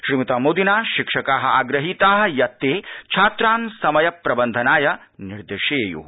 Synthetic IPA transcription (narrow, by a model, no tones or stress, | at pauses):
ʃɾiːmit̪aːmoːd̪inaːʃikʂɐkaːɦɐ̆aːɡɾɐɦit̪aːɦɐ̆jɐt̪ːeːt͡ʃʰaːt̪ɾaːnsɐmɐjɐpɾɐbɐnd̪ʱɐnaːjɐ | niɾd̪eːʃeːjṵː